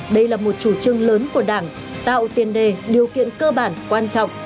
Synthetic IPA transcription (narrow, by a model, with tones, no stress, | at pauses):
ɗə˧jlaː˨˩mo˨˩t̚t͡ɕu˧˩t͡ɕɨ˧əŋləː˨˦nku˧˩əɗaː˧˩ŋ | t̪a̰ː˧˨wt̪i˨˩ənɗe˨˩ɗi˨˩əwkḭ˧˨ənkəː˧ɓaː˧˩nkwaː˧nt͡ɕɔ̰˧˨wŋ͡m